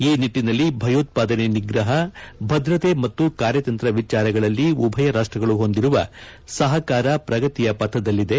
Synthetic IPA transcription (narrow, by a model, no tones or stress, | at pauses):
iːniʈːinɐlːibʱɐjoːt̪̚paːd̪ɐneniɡɾɐɦɐbʱɐd̪ɾɐt̪e̞mɐt̪ːukaːɾjɐt̪ɐnt̪ɾɐʋit͡ʃaːɾɐɡɐɭɐlːiubʱɐjɐɾaːʂʈɾɐɡɐɭuɦo̞nd̪iɾuʋɐ̰sɐɦɐkaːɾɐpɾɐɡɐt̪ijɐpɐt̪ʰːɐd̪ɐlːid̪e̞